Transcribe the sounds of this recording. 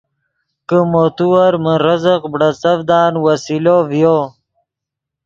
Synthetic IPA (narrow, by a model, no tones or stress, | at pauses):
kəmot̪uwɐɾməɾəzəqbɽɐt͡sɐvd̪ɑːnwasilovjoː